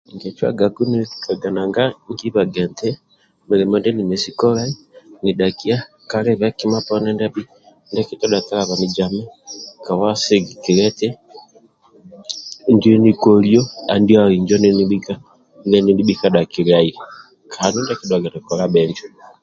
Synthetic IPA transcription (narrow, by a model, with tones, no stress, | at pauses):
ŋɡɛ˨t͡ʃwa̰˦ɡa˨ɡu˦ni˦i̥ka˨ɡa˨na˨ŋɡa˦ŋɡi˦βa˨ɡɛ˨ntɛ˦ | me˨ɾe˨mɔ˦ndɛ˦ni˨mɛ˨si˦kɔ˦ɾa˦i˦ni˨ɗa˨ki˦a˦ | ka˦ɾɛ˦βɛ˦ki˦ma˦pɔnɛ˦ndɛ˦bi˦ | ndɛ˦ki˦tɔ˦da˨ta˦ɾa˨βa˨ni˨d͡ʒa˨mɛ˦ka˨wa˦se˦ɡi˨ki˨ɾɛ˦tɛ˦ | ndi˦ɛ˦ni˦kɔ˨ljɔ˦a˨ndi˦a˦i˨ɲd͡ʒɔ˦neni˦ɓi˦ka˦ | nɡɛ˦ni˦ndi˦ɓi˦ka˦ɗa˨ki˨ɾa˦i | kʰa˨nu˦nda˦ki˦dwa˨ɡa˨nɛ˨kɔ˨ɾa˦ɓɛɲd͡ʒɔ˦